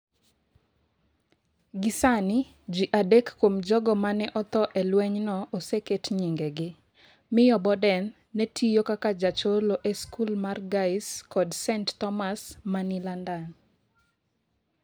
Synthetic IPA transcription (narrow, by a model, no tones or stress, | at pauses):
ɡɪsanɪ | d͡ʒiʔadekkːwomd͡ʒɔɡɔmanɛʔɔt̪ɔʔɛlwɛɲnɔʔoseketɲiŋɡeɡɪ | mɪjɔbɔdɛnː | etʰijokakad͡ʒat͡ʃoloʔɛskulmarɡaɪskɔdsɛnttɔmasmanilandan